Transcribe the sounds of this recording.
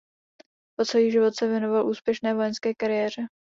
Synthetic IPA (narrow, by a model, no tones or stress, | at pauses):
posojiːʒɪvo̞t̪sɛvjɛno̞valʔuːspjɛʃnɛːvo̞jɛnskɛːkaɾɪjɛːr̝̥ɛ